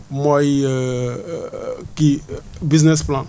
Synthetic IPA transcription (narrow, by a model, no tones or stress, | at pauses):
mɔj | kibiznesplãn